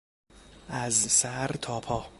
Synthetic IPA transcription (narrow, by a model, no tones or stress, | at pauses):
ʔæzsæɾt̪ʰɒːpʰɒː